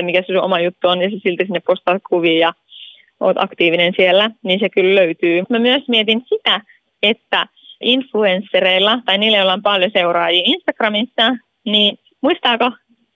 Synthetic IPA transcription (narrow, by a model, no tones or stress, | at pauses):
mikæssuʔomɑjut̪ːuonjɑsesilt̪æsinːeppost̪ɑːt̪kuʋiːjɑ | ʔo̰ːt̪ʔɑ̰kt̪iːʋinensielːæniːnsekylløyt̪yːmæmyøsmiet̪insit̪æ | et̪ːæ | ʔinfluensːeɾeilːɑt̪ɑiniːlːæjolːˑɑompɑljoseuɾɑːjiːinst̪ɑkrɑmisːɑ | niːn | muist̪ɑːko